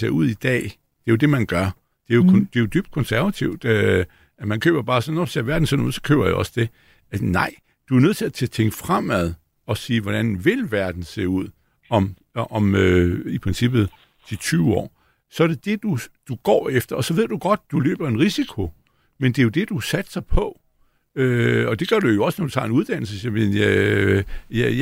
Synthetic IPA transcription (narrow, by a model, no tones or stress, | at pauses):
se̝ɐuð̰ˠid̥ɛ̰ː | d̥e̝jo̝d̥e̝mænɡ̥ɶɐ | d̥e̝jokʰd̥e̝jo̝d̥yb̥d̥̚kʰɔ̽nsæɐʋæt͡sʰiʊ̰d̥ | æmænkʰø̰ːb̥ɐb̥ɑ̈ːsɒnnɒse̝ɐʋæɐd̥n̩sḛnuð̰ˠsɒ̥kʰø̰ːb̥ɐjaɒ̽səd̥e̝ | ænɑ̈ɪ̰ | d̥uæɐnøð̰ˠt͡sʰe̝æt͡sʰe̝t͡sʰeŋɡ̥fʁam̰æð̞ˠ | ɒ̽siːʋɒɾ̥ænʋe̝lʋæɐd̥n̩se̝̰ːuð̞̰ˠ | ɒ̽m | ʔɒ̽møipʰʁɛnsib̥ð̩ˠ | d̥it͡sʰyːʊɒ̰ː | sɒ̽æɐd̥e̝d̥e̝d̥ud̥uɡ̥ɒ̰ːefd̥ɐɒ̽sɒ̽ʋe̝ð̰ˠd̥uɡ̥ɒ̽d̥̚d̥ulø̰ːb̥ɐe̝nʁisikʰo̝ | mend̥e̝jo̝d̥e̝d̥usæd̥sɑ̈ɪpʰɒ̽ | øɒ̽d̥e̝ɡ̥ɶɐd̥ujo̝ɒ̽snɒd̥u̥t͡sʰɑ̰̈ːe̝nuðˠd̥æn̰l̩səsimenæ | jj